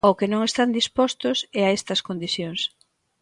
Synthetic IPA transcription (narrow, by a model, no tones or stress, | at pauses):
okenõŋest̪and̪ispɔst̪ʊsɛaɛst̪ɐskond̪iθjoŋs